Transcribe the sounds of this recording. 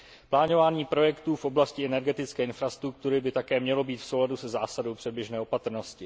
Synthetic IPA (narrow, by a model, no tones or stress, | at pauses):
plaːno̞vaːɲiːpɾo̞jɛkt̪uːfʔo̞blascɪɛnɛɾɡɛt̪ɪt͡skɛːɪnfɾast̪ɾuk̚t̪uɾɪbɪt̪akɛːmɲɛlo̞biːt̪fsowladusɛzaːsadowpr̥ɛd̚bjɛʒnɛːopat̪ɾ̩no̞scɪ